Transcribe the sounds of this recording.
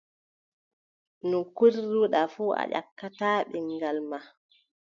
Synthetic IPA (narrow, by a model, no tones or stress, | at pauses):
nukuɾːuɗafuːʔa̰ʄa̰kːataːɓiŋɡalma